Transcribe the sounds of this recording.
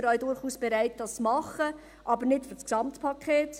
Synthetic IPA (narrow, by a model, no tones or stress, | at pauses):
ɾœɥdʊɾχuːsb̥ɛɾæɪt̚dɑst͡smɑχə | ʔɑbəɾnɪtfyt͡sksɑmtpʰɑkʰeːt